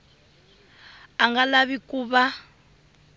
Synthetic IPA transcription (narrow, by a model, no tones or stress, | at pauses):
aŋɡalaβikuːβa